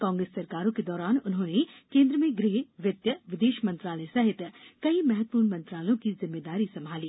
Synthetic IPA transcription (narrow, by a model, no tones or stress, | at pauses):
kãːŋɡɾesːɐɾkaːɾõked̪ɔːɾaːnʊnɦõːnekẽːnd̪ɾəmẽɡɾeɦʋjɐt̪jəʋɪd̪eːʃmɐ̃nt̪ɾaːləjsɐɦɪt̪kɐimɛɦət̪̚puːɾɳmɐ̃nt̪ɾaːləjõkizɪmːeːd̪aːɾisɐmʱaːliː